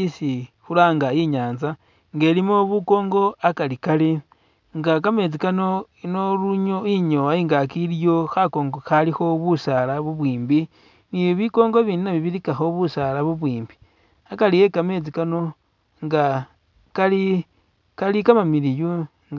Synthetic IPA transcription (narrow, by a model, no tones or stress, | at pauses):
isi | xulaːŋɡaiɲaːnza | ŋɡe̞ːlimoβuko̞ːŋɡo̞akalikali | ŋɡakame̞t͡sikano̞inoluɲoiɲoaiːŋɡakiljo̞xako̞ːŋɡoxalixo̞βusalaβuβwiːmbi | niβiko̞ːŋɡoβiːnunaβiβiɾikaxo̞βusalaβuβwiːmbi̥ | akalije̞kame̞t͡sikano̞ | ŋɡa | kali | kalikamamiɾiju | ŋ